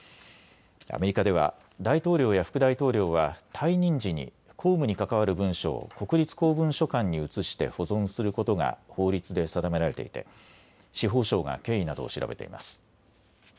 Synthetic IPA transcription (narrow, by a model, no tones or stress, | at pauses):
a̰me̞ɾʲikad̪e̞β̞a̰ | d̪ait̪o̞ːɾʲo̞ːjaɸɯ̟̥kɯ̟d̪ait̪o̞ːɾʲo̞ːβat̪ʰaiɲ̟ĩɲ̟d͡ʑiɲ̟ḭ | kʰo̞ːmɯ̟ɲ̟ikakaβaɾɯ̟bɯ̟̃ɰ̃ɕo̞̰ːko̞kɯ̟ɾʲit͡sɨ̥ko̞ːbɯ̟̃ɰ̃ɕo̞kãɲ̟ːiɯt͡sɨɕi̥t̪e̞̰ho̞zõ̞ɰ̃sɨɾɯ̟ko̞t̪o̞ŋɡa̰ho̞ːɾʲit͡sɨd̪e̞sad̪ame̞ɾaɾe̞t̪e̞̰ḭt̪e̞̰ | ɕiɦo̞ːɕo̞ːɡa̰ke̞ːinad̪o̞̰ːɕiɾa̰be̞t̪ḛḭma̰sɨ̥